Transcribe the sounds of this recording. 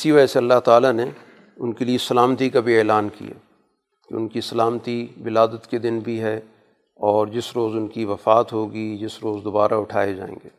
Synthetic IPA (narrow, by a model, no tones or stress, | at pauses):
ɪsiʋaɛseɐlːaɦt̪aːlane | ʊnkeliesɐlaːmt̪ikabʱiɛːlaːnkḭja̰ː | keʊ̰nkisɐlaːmt̪ibɪlaːd̪ət̪ked̪ɪnbʱiɦɛ | ɔːɾd͡ʒɪsɾoːzʊnkiʋɐfaːt̪ɦoːɡid͡ʒɪsɾoːzd̪obaːɾaʊʈʰaːed͡ʒa̰ːḛ̃ːŋɡḛː